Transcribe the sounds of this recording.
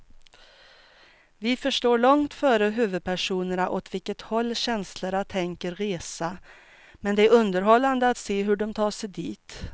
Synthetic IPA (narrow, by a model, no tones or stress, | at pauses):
vɪfœʂʈoːɭɔŋt̪fœːɾəɦʉːvɵd̪̚pʰæʂuːnəɳaʔɔt̪vɪlkət̪hɔlːɕɛnsləɳat̪ʰɛŋkəɾɾeːsa | mɛnd̪ɛæɾɵnd̪əɾɦɔlːand̪əat̪seːɦɵɖɔmt̪ʰɑːʂɛjd̪iːt̪